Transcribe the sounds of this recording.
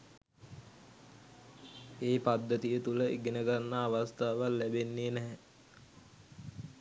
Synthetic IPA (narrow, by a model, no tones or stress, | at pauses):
eːpad̪ːət̪ijət̪uləʔeɡenəɡanːaːʋast̪aːʋalːæbenːeːnɛɦɛ